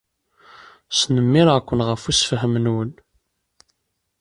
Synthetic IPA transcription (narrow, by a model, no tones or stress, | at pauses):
snəmːɪɾkʷːənʁəfusfəɦəmənwən